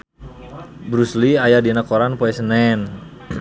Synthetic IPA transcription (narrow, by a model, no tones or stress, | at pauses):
bɾusliajadinakoɾanpoɛsənɛn